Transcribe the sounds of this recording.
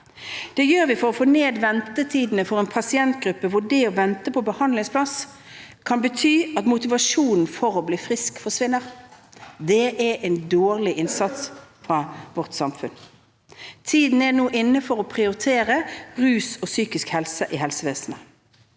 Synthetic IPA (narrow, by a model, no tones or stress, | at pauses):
d̪̥ɛjøːʁʋɪfɔʁɔfoːneːd̪ʋɛnt̪ət̪ʰiːd̪n̩əfɔʁɛnpʰɑsɪɛnt̪ɡʁʉpːəʋʊɖɛɔʋɛnt̪əpʰɔbəhɑnd̪lɪŋspʰlɑs | kʰɑnbət̪ʰyːɑt̪mʊt̪ɪʋɑʂuːnn̩fɔʁɔbliːfʁɪskfɔsʋɪnːəʁ | d̪ɛʔɛʔɛnd̪oːʁlɪʔɪnsɑt̪sfʁɑːʋɔʁt̪sɑmfʉn | t̪ʰiːd̪n̩ɛnuːʔɪnːəfɔʁɔpʰʁɪʊɾɪt̪ʰeːʁəʁʉːsɔsyːkɪskhɛlsəʔɪɦɛlsəʋeːsənə